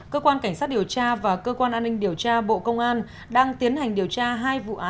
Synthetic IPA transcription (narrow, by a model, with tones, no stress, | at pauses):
kəː˧kwaː˧nka˧˩ŋ̟saː˦˥t̚ɗi˨˩əwt͡ɕaː˧vaː˨˩kəː˧kwaː˧nʔaː˧nːï˧ŋ̟ɗi˨˩əwt͡ɕaː˧ɓo̰˧˨kə˧wŋ͡mʔaː˧n | ɗaː˧ŋt̪i˨˦ənha˨˩jŋ̟ɗi˨˩əwt͡ɕaː˧ɦaː˧jvṵ˧˨ʔaː˨˦